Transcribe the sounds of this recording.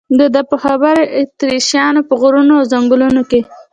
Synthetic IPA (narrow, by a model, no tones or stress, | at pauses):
d̪əd̪əpəxabaɾeʔt̪ɾiʃjɑnopəɣʊɾunoawzaŋɡʊlunoke